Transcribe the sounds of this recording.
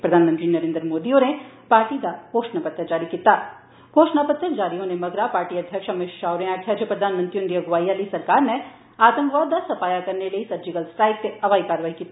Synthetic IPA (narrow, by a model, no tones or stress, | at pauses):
pɾɐd̪ʱaːnmə̃nt̪ɾinɐɾẽːnd̪ɾəmoːd̪ione | paːɾʈid̪akoːʃnapət̪əd͡ʒaːɾikiːt̪aː | koːʃnapət̪ːəd͡ʒaːɾijõnemɐɡɾapaːɾʈiɐd̪ʱjəkʃɐmɪʃʃaːʊɾẽaːʈʰjad͡ʒepɾɐd̪ʱaːnmə̃nt̪ɾiʊnd̪ɾiɐɡʋaːiaːlisɐɾkaːɾne | aːt̪ə̃mɡʋaːd̪ːasɐfaːjakɐɾnelɐisɐɾd͡ʒɪɡəlsʈaːɪkkeɐʋaːikaːɾʋaːɦikiːt̪a